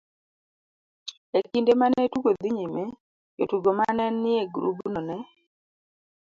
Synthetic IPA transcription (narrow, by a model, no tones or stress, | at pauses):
ekindemanetuɡod̪iɲime | jotuɡomanɛnːɪeɡɾṵbunɔnɛ